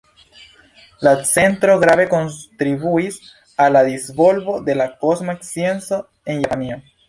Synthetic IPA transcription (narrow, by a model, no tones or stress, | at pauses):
lasent̪ɾoɣɾaβekont̪ɾiβuis | alaðizβolβoðelakozmaeksjenso | eŋjanio